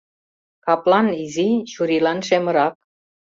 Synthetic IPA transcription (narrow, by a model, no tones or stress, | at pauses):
kɑplɑniziɕuɾilɑnʃemə̆ɾɑk̚